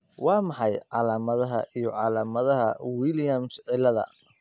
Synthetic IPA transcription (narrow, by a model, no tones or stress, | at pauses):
wɑːmɑħɑjʕɑlaːmɐðɐɦɐʔijɞʕɑːlaːmɐðɐɦɐwiljɐmsʕɪlɐðɐ̰